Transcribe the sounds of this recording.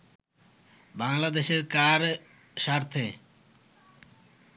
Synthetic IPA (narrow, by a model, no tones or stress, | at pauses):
baŋlad̪eʃeɾkaɾ | ʃaɾt̪ʰe